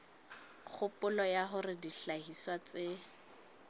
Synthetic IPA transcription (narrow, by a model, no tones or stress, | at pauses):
k͡xʰʊpʊlɔjaɦʊrɪdiɬahiswat͡sɪ